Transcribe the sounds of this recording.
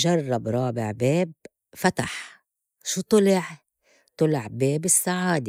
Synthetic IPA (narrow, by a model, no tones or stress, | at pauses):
ʒɑrˤːɑbɾˤɑːbɪ̰ʕbeːb̚ | fat̪aħ | ʃuːt̪ˤɨlɪʕ | t̪ˤɨlɪʕbeːbɪsːaʕaːd̪i